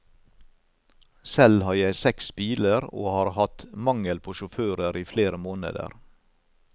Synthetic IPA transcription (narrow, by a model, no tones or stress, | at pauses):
sɛlhɑːɾjæɪsɛksbiːləɾo̰ːhɑːɾhɑt̪mɑŋəlpʰoːʃʊføːɾəɾʔiːfleːɾəmoːnə̰d̪ə̰ɾ